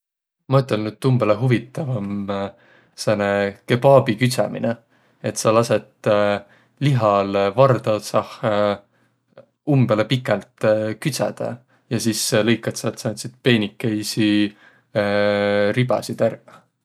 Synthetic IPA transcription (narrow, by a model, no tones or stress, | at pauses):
mɑyt̪ːˑelnyd̪̥̚t̪umbeleɦuvit̪ːˑɑvɑm | senekebɑːbikysɑ̰mḭne | e̞t̪sɑlɑse̞t̪ | liɦɑlvɑrd̪ɑsɑh | umb̥elepikːˑɛlt̪kysæ̰d̪̥ɑ̰ | jɑsiːslɤjkːˑɑt̪sɑet̪ːsɑnt̪sit̪̚pe̞ːnikːejsi | ɾib̥ɑ̰sid̪̥ær